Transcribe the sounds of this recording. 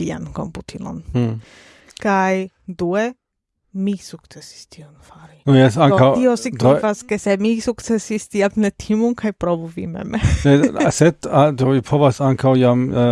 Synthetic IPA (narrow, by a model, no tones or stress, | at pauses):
ia̰nko̞̰mputʰilo̞̰n | kaj | due | misuk̚t͡se̞si̥stʰionfaɾinojesaŋawtio̞siɡdifaskesemisuktt͡se̞sistiamnetʰimunkʰajpɾo̞vuvḭmḛmeesed̪adovipʰovasaŋkawjam